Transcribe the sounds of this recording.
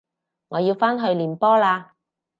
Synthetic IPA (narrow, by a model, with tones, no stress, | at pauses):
ŋɔː˨˧jiː˧wfaː˥nɦɵ˧ɥliː˨˩npɔː˥laː˧